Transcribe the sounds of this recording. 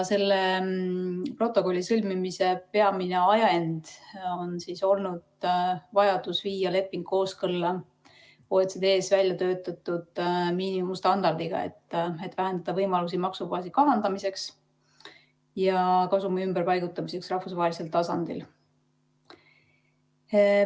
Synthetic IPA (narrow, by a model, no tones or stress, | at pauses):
se̞lːe | pro̞t̪ːˑo̞ko̞lʲːisɤlʲmimise̞pe̞ɑmine̞ɑjend̪̥o̞nsiːso̞lnud̪̥vɑjɑd̪̥usviːjɑle̞pːˑiŋɡ̥kːo̞ːskɤlːɑ | oːet̪sed̪e̞ːsvælʲjɑt̪ø̞ːt̪ːˑɑt̪ːud̪̥miːniumust̪ɑnd̪ɑrd̪̥iɡ̥ɑ̰e̞̰t̪ːet̪ːvæɦænd̪ɑd̪̥ɑvɤjmɑlusimɑksubɑːsikɑɦɑnd̪̥ɑmise̞ks | jɑkɑsumɑymbərpɑjɡ̥ut̪ːˑɑmise̞ksrɑhfusvɑɦelise̞lt̪ɑsɑnd̪ḭl